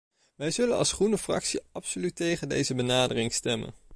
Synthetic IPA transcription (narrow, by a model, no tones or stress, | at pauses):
ʋɛjzɵlənɑ̰lˠsχrunəfrɑ̰ksiɑpsolytejχəndḛjzəbənaːdərɪŋstɛmə̰n